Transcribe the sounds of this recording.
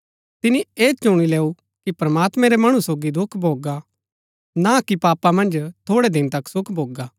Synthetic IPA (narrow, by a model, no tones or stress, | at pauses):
t̪ɪnieːt͡ʃʊɽ̃ileːu | kipɾɐmaːt̪mɛ̃ɾemɐɽ̃usoːɡid̪ʊkʰbʱoːɡa | nakipaːpamɐ̃nd͡ʒt̪ʰoːɽed̪ɪnt̪ɐksʊkʰbʱoːɡaː